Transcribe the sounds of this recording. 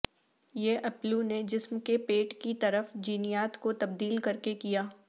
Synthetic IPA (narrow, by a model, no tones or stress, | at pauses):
jeʔɐpluned͡ʒɪsmkepeːʈkit̪ɐɾəfd͡ʒiːnɪjaːt̪kot̪ɐb̚d̪iːlkɐɾkekijaː